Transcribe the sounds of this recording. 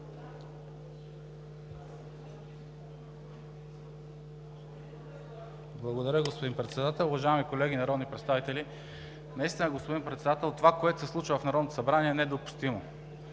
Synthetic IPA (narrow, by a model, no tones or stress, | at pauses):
blˠɐɡod̪ɐɾʲəɡospod̪inpɾɛt̪sɛd̪at̪ɛlˠʊvɐʒaɛmikolɛɡʲinɐɾɔd̪nipɾɛt̪st̪avit̪ɛli | nɐist̪inəɡospod̪inpɾɛt̪sɛd̪at̪ɛlˠt̪ovakoɛt̪ʊ̥sɛslˠut͡ʃəvɐfnɐɾɔd̪t̪o̥sɐbɾaniɛnɛd̪opu̥st̪imo